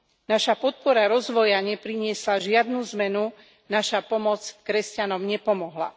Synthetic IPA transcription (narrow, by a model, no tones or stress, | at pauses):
naʃapɔt̪̚pɔɾaɾɔzʋɔjaɲɛpɾiɲɪɛslaʒɪad̪̚nuːzmɛnu | naʃapɔmɔt͡skɾɛscanɔmɲɛpɔmɔɦla̰